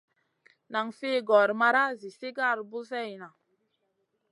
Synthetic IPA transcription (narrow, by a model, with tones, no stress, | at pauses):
na˨ŋfe˦˨ɡɔ˨ɾma˦ɾa˦zi˨se˦ɡa˦˨ɾbu˦zɛ˦˨jna˨